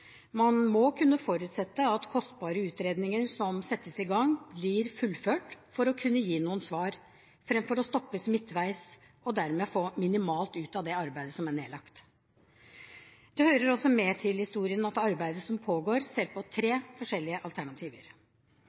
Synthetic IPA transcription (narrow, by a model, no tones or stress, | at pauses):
mɑnmɔkʰʉnːəfɔɾʉːt̪sɛt̪ːəɑt̪kʰɔst̪bɑːɾəʉːt̪ɾeːd̪nɪŋəɾsɔmsɛt̪ːəsɪɡɑŋblɪɾfʉlføːʈfɔɾɔkʰʉnːəjiːnuːənsʋɑːɾ | fɾɛmfɔɾɔst̪ɔpːəsmɪt̪ːʋæɪs | ɔd̪æɾmɛfoːmɪnɪmɑːlt̪ʉːt̪ɑʋd̪ɛɑɾbæɪd̪əsɔmæɳeːlɑkt̪ | d̪̥ɛhøːɾəɾɔsːɔmɛt̪ʰɪlhɪst̪uːɾɪənɑt̪ɑɾbæɪd̪əsɔmpʰoːɡoːɾseːɾpʰɔt̪ʰɾeːfɔʂɛlːɪəʔɑlt̪ʰæɳɑt̪ʰiːʋəɾ